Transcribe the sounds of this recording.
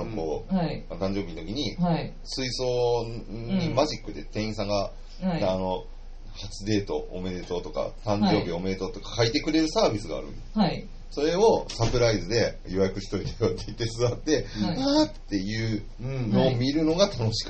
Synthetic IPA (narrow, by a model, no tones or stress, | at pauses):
ko̞ːat̪ãɲ̟d͡ʑo̞ːbʲint̪o̞kʲiɲ̟i | sɨiso̞ː | ɲimaʑikːɯ̟d̪e̞t̪ẽ̞ɰ̃sãŋɡaː | no̞ | hat͡ɕɨd̪e̞ːt̪o̞̰ːme̞d̪et̪o̞t̪o̞ka̰t̪ãɲd͡ʑo̞ːbʲio̞me̞et̪o̞t̪o̞kḁkait̪e̞kɯ̟ɾe̞ɾɯ̟saːbʲisɨɡa̰ːɾɯ̟̰ | so̞ɾe̞o̞sapɯ̟ɾaizɨd̪e̞ | jo̞jakɯ̟ɕi̥t̪o̞it̪ajot̪ːeit̪ːe̞sɨβat̪ːe̞at̪ːe̞jɯ̟ː | no̞ːmʲiɾɯ̟no̞ɡat̪ano̞ɕi̥k